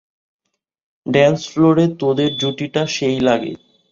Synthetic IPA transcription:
ɖɛnsfloɾet̪od̪eɾd͡ʑuʈiʈaʃejlaɡḛ

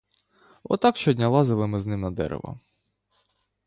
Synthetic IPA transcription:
ɔ̰t̪ɑkʃt͡ʃɔdʲnʲɐlˠɑzɪlˠɪmɪznɪmnɐd̪ɛ̰ɾḛʋɐ̰

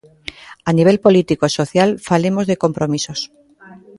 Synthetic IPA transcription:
aniβ̞e̞lpo̞lit̪ikoiso̞θjalfalemo̞zðe̞ko̞mpɾo̞miso̞s

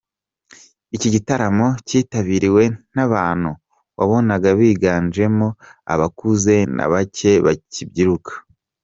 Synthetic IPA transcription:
iciɟitaɾamo̞ciːtaβiɾiwe̞n̥aβaːn̥hu | βaβo̞naɡaβiːɡaːnd͡ʒe̞mo̞a̰βakuze̞na̰βace̞βacibɟiɾukʰḁ

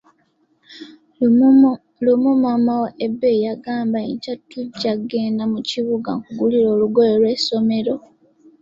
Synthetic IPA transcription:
lumumamawoʔebejaɡaːmbaicatːuɟːaɡe̞ːndamuciβuɡa̰ŋkuɡuliɾo̞ːluɡojelwe̞so̞me̞ɾo̞

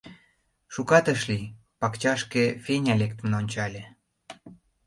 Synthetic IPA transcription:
ʃukɑt̪əʃli | pɑkt͡ɕɑʃkefʲenʲɑlʲekt̪əmnonʲt͡ɕɑlʲĕ

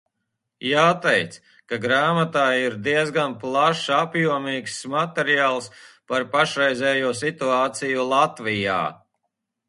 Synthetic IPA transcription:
jaːt̪ɛjt̪s | kaɡɾaːmat̪aːiɾd̪iɛzɡanplˠaʃapjuɔmiːksmat̪ɛɾijaːlˠspaɾpaʃɾɛjzʲɛːjuɔsit̪uaːt̪sijulˠat̪vija̰ː

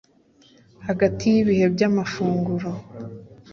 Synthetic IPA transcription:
haɡatijiβihe̞bɟamafuːŋɡuɾo

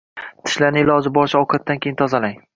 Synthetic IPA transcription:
t̪ʰɪ̥ʃlanɪɪlɒd͡ʒɪbɒɾʃɪɒkʰat̪̚d̪ankʲʰejɪnt̪ʰɒzalaŋ

